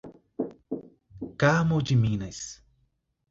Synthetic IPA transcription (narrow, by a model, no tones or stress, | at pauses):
kamod͡ʒimĩnɐjs